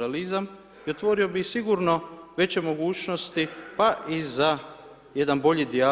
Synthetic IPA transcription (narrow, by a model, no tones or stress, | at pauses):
alizam | io̞t̪ʋo̞ːɾio̞bixsiɡuɾno̞ʋe̞t͡ɕemo̞ɡuːt͡ʃno̞st̪ipaʔiza | je̞d̪anbo̞ʎid̪ia